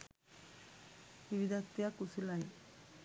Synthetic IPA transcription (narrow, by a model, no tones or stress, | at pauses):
iʋid̪at̪ːijakusulai